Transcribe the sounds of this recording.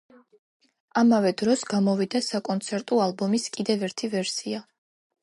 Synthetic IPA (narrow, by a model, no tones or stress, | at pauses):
amavɛd̪ɾɔsɡamɔvid̪asakʼɔnt̪sʰɛɾt̪ʼɔalˠbɔmiskʼid̪ɛvɛɾt̪ʰivɛɾsia